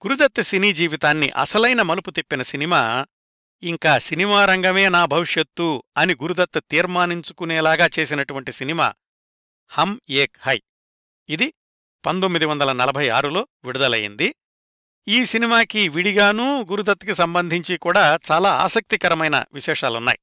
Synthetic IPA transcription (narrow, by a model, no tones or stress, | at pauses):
ɡ̥uɾud̪ɐt̪ːɐsiniːd͡ʒiːʋit̪aːnːḭʔɐ̰sɐlɐjnɐmɐluput̪ipːinɐsinimaː | iŋkaːsinimaːɾɐŋɡɐme̞ːnaːbʱɐʋiʂjɐt̪ːuɐniɡuɾud̪ɐt̪ːɐt̪iːɾmaːniɲt͡ʃu̥kuneːlaːɡaːt͡ʃe̞ːsinɐʈuʋɐɳʈisinima̰ː | hɐmeːkhɐ̰j | id̪i | pɐnd̪omːid̪iʋɐnd̪ɐlɐnɐlɐbʱɐjaːɾulo̞ː | ʋiɽud̪ɐlɐ̰jḭnd̪i | iːsinimaːkiʋiɽiɡaːnuɡuɾud̪ɐt̪ːkisɐmbɐnd̪ʱiɲt͡ʃikuːɽaːt͡ʃaːlaːa̰ːsɐk̚t̪ikɐɾɐmɐjnɐ̰ʋiʃɛːʂaːlunːa̰ːji